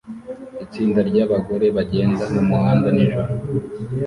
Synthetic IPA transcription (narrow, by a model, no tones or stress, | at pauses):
it͡siːndaɾɟaːβaɡo̞ɾe̞βaɟe̞ːndanamuhaːndaniʒuɾo